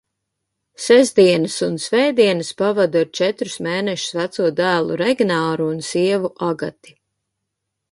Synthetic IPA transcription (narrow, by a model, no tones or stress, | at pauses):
sɛzd̪iɛnɨsunsvɛjd̪iɛnɨspavad̪uɾt͡ʃɛt̪ɾu̥smeːnɛʃʊ̥svæt̪suɔd̪æːlˠṵɾɛɡʲnaːɾuːnsiɛvuʔaɡat̪i̥